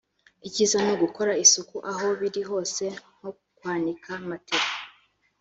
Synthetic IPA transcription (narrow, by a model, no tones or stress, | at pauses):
iciːzanoɡuko̞ɾaisukuʔaɦo̞βiɾiɦo̞ːse̞ŋ̥ho | kwaːndikʰamateɾa